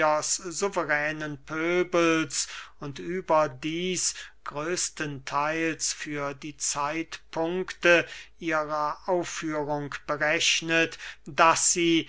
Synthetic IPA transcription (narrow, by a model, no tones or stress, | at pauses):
ɐszuvəʁɛːnənpʰøːbəlsʊntʔyːbɐdiːsɡ̥ʁøːstəntʰaɪlsfyːɐdiːt͡saɪtpʰʊŋktəʔiːʁɐʔaʊfːyːʁʊŋkb̥əʁɛɕnətd̥asz̥iː